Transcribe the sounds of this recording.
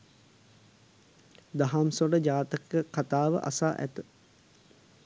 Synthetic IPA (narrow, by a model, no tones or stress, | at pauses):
d̪aɦamsoɖəd͡ʒaːt̪əkəkat̪aːʋə̰ʔa̰saːʔæ̰t̪ə